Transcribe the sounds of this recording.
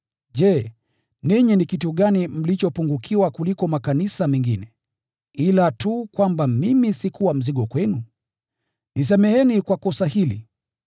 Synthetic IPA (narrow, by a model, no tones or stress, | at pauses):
ʄɛ | niɲinikituɠanim̩lit͡ʃɔpuŋɡukʰiwakulikɔmakanisamɛŋɡinɛ | ilatukwambamimisikuwam̩ziɠɔkwɛnu | nis̬ɛmɛhɛnikwakɔsahilḭ